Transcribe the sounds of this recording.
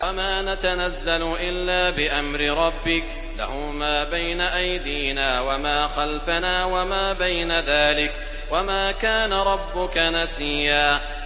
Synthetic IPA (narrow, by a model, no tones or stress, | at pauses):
wamaːnat̪anazːalʊʔɪlːaːbɪʔamɾɪɾˤɑbːɪk | la̰hʊmaːbajnaʔajd̪iːnaːwamaːxalfanaːwamaːbajnaðaːlɪk | wamaːkaːnaɾˤɑbːʊkanasiːaː